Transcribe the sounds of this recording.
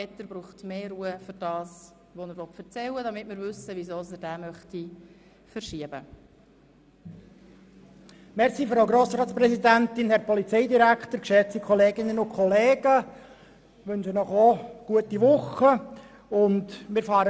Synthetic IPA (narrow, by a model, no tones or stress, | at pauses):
ɛt̪ːəɾb̥ɾuːχtmeːɾuːəfʏɾd̥ɑːs | ʋonəɾʋɔt̪fəɾt͡sɛlːədɑmɪtmɪɾvʏsəvizoːsəd̥æːmœχti | fəɾʃiəb̥ə̰ | mɛɾsiːføɾaʊɡɾoːsɾɑːtt͡ssprɛsidænt̪ɪnhɛɾpɔlit͡sɛɪdiɾækχtəɾkʃɛt͡sikʰχɔleːɡɪnənʊnkʰχɔleːɡə | ʋʏnʃənɔχoɡ̥uətiʋʊχə | ʊndmɪɾfɑːɾə